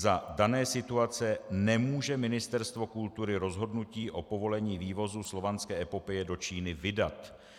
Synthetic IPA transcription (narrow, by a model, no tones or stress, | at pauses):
zadanɛːsɪt̪uat͡sɛnɛmuːʒɛmɪnɪst̪ɛɾst̪vo̞kult̪uɾɪɾo̞zɦo̞dnuciːʔo̞po̞vo̞lɛɲiːviːvo̞zuslo̞vanskɛːʔɛpopɛjɛdo̞t͡ʃiːnɪvɪdat̪